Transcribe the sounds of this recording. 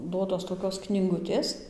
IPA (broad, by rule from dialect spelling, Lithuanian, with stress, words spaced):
ˈduɔtoːs toːˈkʲoːs knʲiːˈɡʊtʲeːs